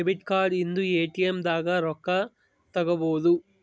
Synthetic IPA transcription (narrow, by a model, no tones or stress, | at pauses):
ebiʈkaːɾɖind̪ueːʈijɐmd̪aːɡɐɾɔkːɐ | t̪ɐɡɐboːd̪u